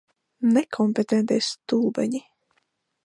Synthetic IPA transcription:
nɛkʰɔmpet̪ɛnt̪ɛjst̪uːbɛ̰ɲi

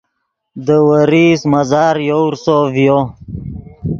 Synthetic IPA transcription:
d̪əwəɾismazɑːɾjowɾsovjo

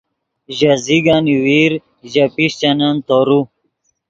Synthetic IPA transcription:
ʑaziɡaniwiɾ | ʑɐpiɕt͡ɕɐnant̪oɾu

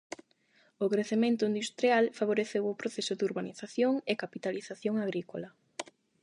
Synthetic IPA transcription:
okɾeθemẽnt̪ʊind̪ust̪ɾialfaβ̞oɾeθewopɾoθesʊd̪uɾβaniθaθjoŋekapit̪aliθaθjoŋaɣ̞ɾikolɐ

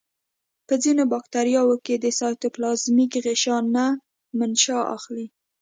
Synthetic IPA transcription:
pəzinobɑkt̪aɾijɑwoked̪əsɑjt̪oplɑzmikɣeʃɑna | manʃɑʔa̰xli

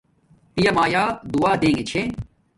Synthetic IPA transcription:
pijɐmaːjaːd̪uaːd̪ẽːŋɡet͡ɕʰe

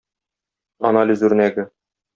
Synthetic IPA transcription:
a̰nalʲizʉɾ̆næɡɘ

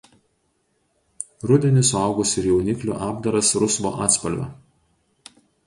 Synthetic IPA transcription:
ɾʊd̪ʲɛnʲɪsʊɑˑʊɡʊsʲɪɾjɛʊnʲɪklʲṵːʔɑːbd̪ɐɾɐsɾʊsʋo̰ːʔɑːt̪spɐlʲʋʲɛ̰

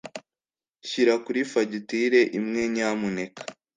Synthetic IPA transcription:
çiɾakuɾifaɟitiɾe̞ʔimŋe̞ɲaːmune̞kʰḁ

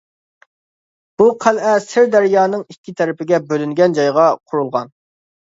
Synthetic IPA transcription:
b̥uqʰælʔɛsɪɾd̪æɾjɑːnɨŋikʲːit̪ʰɛɾɪpɪɡʲɛbølyŋɡʲɛnd͡ʒɑjʁɑqʰʊɾulˠʁɑ̰n

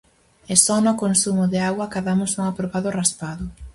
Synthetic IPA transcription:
ɛsɔnʊkonsumʊðɪaɣwɐkaðamʊsoŋapɾoβaðʊraspaðʊ

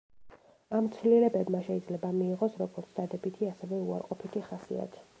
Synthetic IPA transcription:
amt̪sʰvlilɛbɛbmaʃɛid̪zlɛbamiːʁɔsɾɔɡɔɾt̪sʰd̪ad̪ɛbit̪ʰiasɛvɛua̰ɾqʼɔpʰit̪ʰiχasḭa̰t̪ʰi̥

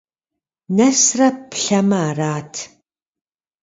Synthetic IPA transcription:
nɐsrɐpɬɐmɐaːraːtʰ

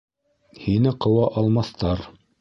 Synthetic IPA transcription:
hinɘqɤ̆wɑʔɑlˠmɑθt̪ɑɾ

